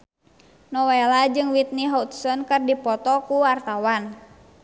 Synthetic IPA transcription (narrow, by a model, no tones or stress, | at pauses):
nɔwɛlad͡ʒɨŋwit̪̚niɦaut̪̚sɔnkɨrdipɔt̪ɔkuwart̪awan